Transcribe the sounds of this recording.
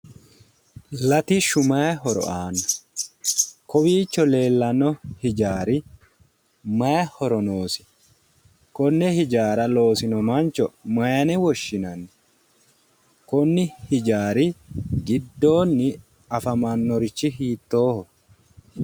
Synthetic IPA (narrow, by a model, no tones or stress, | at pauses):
lɐt̪iʃʊmɐjɦɔɾɔ̰ʔaːnɐ̥ | kɔbiːt͡ʃːɔle̞ːlːɐnɔhɪd͡ʒaːɾɪ | mɐjɐhɔɾɔnoːsɪ̥ | kɔnːɛhɪd͡ʒaːɾɐlo̞ːsɪnɔmant͡ʃɔmɐjɐnɛwɔʃːɪnɐnːɪ | kɔnːɪhɪd͡ʒaːɾɪɡɪd̪ːo̞ːnːɪ | ɐfɐmɐnːɔɾɪt͡ʃːɪɦiːt̪ːoːhɔ